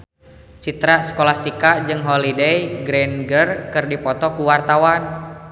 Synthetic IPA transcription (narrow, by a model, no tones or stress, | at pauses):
t͡ʃit̪ɾasə̥kolast̪ikad͡ʒɨŋɦolidejɡɾɛnɡərkɨrdipɔt̪ɔkuwart̪awan